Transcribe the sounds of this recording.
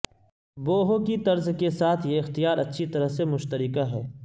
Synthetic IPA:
boːɦokit̪ɐɾzkesaːt̪ʰjeɪxt̪ijaːɾɐtːʃʰit̪ɐɾəɦsemʊʃt̪əɾɪkaɦɛː

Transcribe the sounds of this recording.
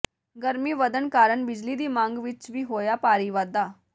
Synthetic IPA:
ɡəɾmiːʋəd̪ənkaːɾənbɪd͡ʒliːd̪iːmãːŋɡʋɪt͡ʃʋiːɦoːjaːpaːɾiːʋad̪aː

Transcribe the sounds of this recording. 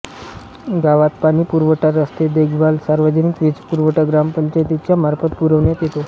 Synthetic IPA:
ɡaʋat̪pañipuɾʋəʈaɾəst̪ed̪eɡʱbalsaɾʋəd͡ʑənikʋid͡zpuɾʋəʈaɡɾampəɲt͡ɕajt̪it͡ɕjam̤aɾfət̪̚puɾəʋɳjat̪jet̪o

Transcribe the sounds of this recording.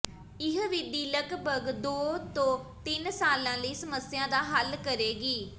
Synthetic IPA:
ɪɦʋɪd̪iːləkbəɡd̪oːt̪õːt̪ɪnsaːlãːləiːsəməsɪjãːd̪aːɦəlkəɾeːɡiː

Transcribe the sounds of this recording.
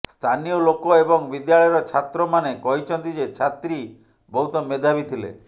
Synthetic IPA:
st̪ʰanijɔlokɔebɔŋbid̪jaɭɔjɾɔt͡ʃʰat̪ɾɔmanekɔɦit͡ʃʰɔnt̪id͡ʒet͡ʃʰat̪ɾi | bɔɦut̪ɔmed̪ʱabit̪ʰilḛ

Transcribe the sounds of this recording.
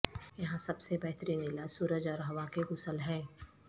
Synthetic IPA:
jɐɦãsɐbsebɛɦt̪ɾimɪlasuːɾəd͡ʒaɾɐɦʋakeɣʊsəlɦɛː

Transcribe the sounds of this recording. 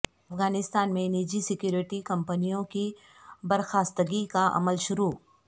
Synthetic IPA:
ɐfɡaːnɪst̪aːnmẽniːd͡ʒisɪkjuːɾɪʈikɐ̃mpənijõki | bɐɾxaːst̪əɡikaʔɐ̰məlʃʊɾuː

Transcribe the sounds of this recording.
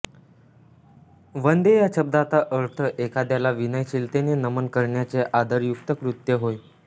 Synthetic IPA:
ʋənd̪ejaɕəb̚d̪at̪aʔəɾt̪ʰəʔekad̪jalaʋinəjɕilt̪enenəmənkəɾɳjat͡seʔad̪əɾjukt̪əkɾut̪jəɦoj

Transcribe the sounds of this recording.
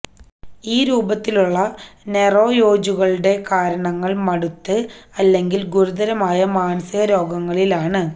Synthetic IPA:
iːɾuːbɐt̪ːiluɭːɐne̞ro̞ːjoːd͡ʑuɣɐɭuɽe̞kaːɾɐɳɐŋːɐɭmɐɽut̪ːɨɐlːe̞ŋɡilɡuɾuðɐɾɐmaːjɐmaːnɐsiɣɐɾo̞ːɡɐŋːɐɭilaːɳɨ

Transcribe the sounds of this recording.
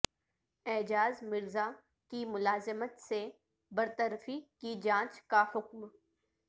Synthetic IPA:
ɛːd͡ʒaːzmɪɾza | kimʊlaːzɪmət̪se | bɐɾt̪əɾfikid͡ʒãːt͡ʃkahʊkm

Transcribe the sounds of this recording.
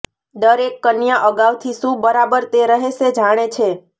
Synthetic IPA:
d̪əɾekːənjaʔəɡaʋt̪ʰiʃũbəɾabəɾt̪eɾəɦeʃed͡ʒaɽ̃et͡ʃʰe

